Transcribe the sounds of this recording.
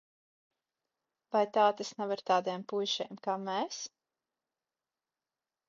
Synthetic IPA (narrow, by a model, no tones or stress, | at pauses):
vajt̪aːt̪esnavaɾt̪aːd̪ejmpujʃɛjmkaːmɛːs